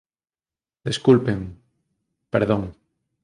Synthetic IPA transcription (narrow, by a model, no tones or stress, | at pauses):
d̪eskulpeŋ | peɾðõŋ